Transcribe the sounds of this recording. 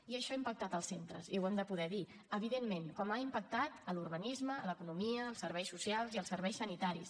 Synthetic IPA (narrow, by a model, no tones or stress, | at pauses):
iəʃɔaimpək̚t̪at̪əlˠsent̪ɾə̰ziwɛmd̪əpuðɛði | əβ̞iðemmenkɔmaimpək̚t̪at̪əlurβənizmələkunumiəːlˠsəɾβɛjsusialˠziəlˠsəɾβɛjsənit̪aɾis